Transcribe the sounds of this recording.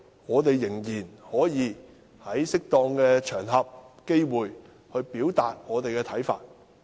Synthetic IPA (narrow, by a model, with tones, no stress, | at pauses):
ŋɔː˨˧t̪e˨jːɪ˨˩ŋjiː˨˩nhɔː˨˥jiː˨˧ | hɐ˨˥jsɪ˥k̚t̪ɔː˧ŋkɛː˧t͡ʃʰœː˨˩ŋɦɐ˨p̚ke˥jwuː˨j | hɵ˧ɥpiː˨˥wt̪aː˨t̚ŋɔː˨˧t̪e˨jkɛː˧t̪ʰɐ˨˥jfa̰ː˧t̚